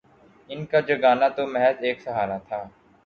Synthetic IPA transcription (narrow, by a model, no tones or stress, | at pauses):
ɪnkad͡ʒəɡaːnat̪omɛɦɛteːksɐɦaːɾat̪ʰaː